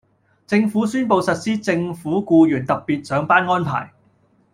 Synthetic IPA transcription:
t͡sɪ˧ŋfuː˨˥syː˥npo˨wsɐ˨t̚siː˥t͡sɪ˧ŋfuː˨˥kuː˧jyː˨˩nt̪ɐ˨p̚piː˨t̚sœː˨˧˥ŋpaː˥nŋɔː˥npʰa̰ː˨˩j

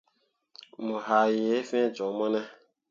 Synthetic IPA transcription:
mu˨ɦa˨je˨˦fẽ˦˨d͡ʒɔ˨˦mɔ˦nɛ˦

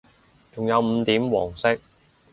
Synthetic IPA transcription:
t͡ʃʊ˨˩ŋjɐ˨˧wm̩ː˨˧t̪iː˨˥mwɔ̰ː˨˩ŋsɪ˥k̚

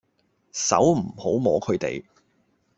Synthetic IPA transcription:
sɐ̰˨˥wm̩˨˩ho˨˥wmɔː˨˧˥kʰɵ˨˧t̪ḛ˨j

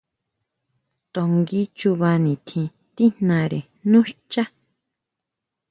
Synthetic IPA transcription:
t̪o˧ŋɡi˧t͡ʃu˧βa˧nĩ˨t̪ʰĩ˧ | t̪i˦n̥nã˧ɾe˨ | nũ˦ʃt͡ʃa˦

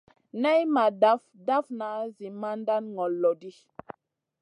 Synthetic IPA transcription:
nɛ˦jma˨da˦fda˦fna˨ʔzi˨ma˦nda˦nŋɔ˨lːɔ˨di˦

